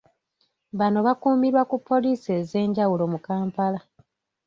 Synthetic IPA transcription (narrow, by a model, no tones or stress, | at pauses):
βano̞βakuːmiɾwakupʰːo̞liːse̞ːze̞ːɲɟawulo̞mukaːmpala